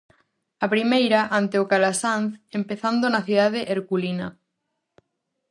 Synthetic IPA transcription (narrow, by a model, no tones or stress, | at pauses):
apɾimejɾaʔant̪eʊkalasãnθempeθand̪ʊnaθiðað̞eʔeɾkulinɐ